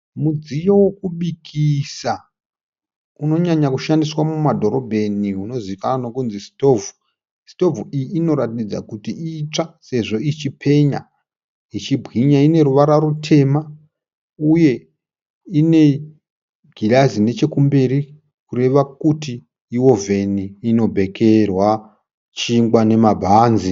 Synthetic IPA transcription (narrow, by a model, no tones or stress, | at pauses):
mud͡zijowokuɓikʰisa | uno̞ɲaɲakuʃandiswamumadʱo̞ɾo̞bʱe̞niuno̞zikanano̞kunzisto̞vu | sto̞vuijiːno̞ɾatid͡za̰kutiit͡ʂase̞ʐo̞it͡ʃipʰe̞ɲa̰ | it͡ʃibʱɣiɲaine̞ɾuʋaɾaɾutʰe̞ːma | uje̞ | ine̞ | ɡʱilazine̞t͡ʃe̞kumberi | kure̞ʋakutiː | wo̞ve̞niːno̞bʱe̞kʰe̞rwa | t͡ʃiŋɡwane̞mabʱaːnzi